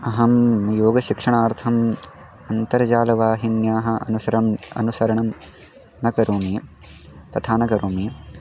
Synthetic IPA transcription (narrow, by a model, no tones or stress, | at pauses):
ɐɦɐmjoːɡɐʃikʂɐɳaːɾt̪ʰɐm | ɐnt̪ɐɾɐd͡ʒaːlɐʋaːɦinjaːɦɐ̆ɐ̰nusɐɾɐmɐ̰nusɐɾɐɳɐm | nɐkɐɾoːmiː | t̪ɐt̪ʰaːnɐkɐɾoːmiː